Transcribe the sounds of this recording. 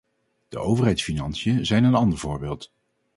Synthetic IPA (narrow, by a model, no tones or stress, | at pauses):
d̥ə̰ʔowvərɦɛjtsfinɑnsjənzɛjnənɑndəɹv̥ʊːɹbeːlˠt